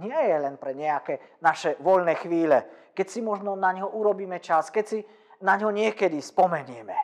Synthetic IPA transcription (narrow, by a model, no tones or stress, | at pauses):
ɲɪɛjɛlɛnpɾɛɲɛakɛnaʃɛʋɔʎnɛːxʋiːlɛkɛcsimɔʒnɔnaɲɦɔʔuɾɔbiːmɛt͡ʃaskɛcsi | naɲɦɔɲɪɛkɛd̪ispɔmɛɲɪɛmɛ